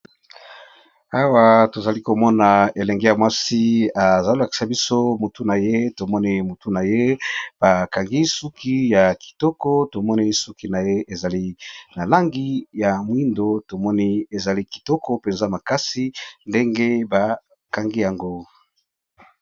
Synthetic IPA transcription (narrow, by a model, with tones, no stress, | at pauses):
a˦wa˦to˨za˨li˦ko˨mɔ˦na˨e˨lɛ˨ŋɡe˦ja˨mwa˦si˦a˨za˨lla˨ki̥˨sa˦bi˦so˦mu˨tu˦na˨je˦to˨mɔ˦ni˦mu˨tu˦na˨je˦b̥a˨ka˨ŋɡi˦su˦ki˦ja˨ki̥˨tɔ˦kɔ˦to˨mɔ˦ni˦su˦ki˦na˨je˦e˨za˨li˦na˨la˦ŋɡi˦ja˨mwi˦ndo˦to˨mɔ˦ni˦e˨za˨li˦ki̥˨tɔ˦kɔ˦pe˨nza˦˨ma˨ka˦si˦nde˦ŋɡe˦ba˨ | ka˨ŋɡi˦ja˨ŋɡo˦